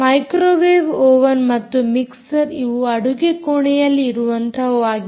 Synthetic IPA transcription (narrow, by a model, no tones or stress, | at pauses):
mɐjkɾoːʋeːʋoːʋɐnmɐt̪ːumiksɐɾiʋuɐɽuɡekoɳɛjɐlːiːɾuʋɐnt̪ʰɐʋuaːɡi